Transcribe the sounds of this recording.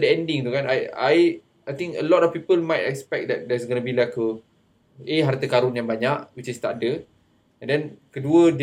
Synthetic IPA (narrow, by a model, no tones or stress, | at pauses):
dəɛ̃ndĩŋt̪ukanajaj | ajt̪ĩŋkə̰lɔtɔfpipəlmajtɛ̰kspɛk̚d̪ɛt̚dɛs̬ɡənəbilakə | eɦart̪əkaɾʊnjaŋbaɲaʔwit͡ʃist̪aʔdə | ɛ̃ndɛnkəduəd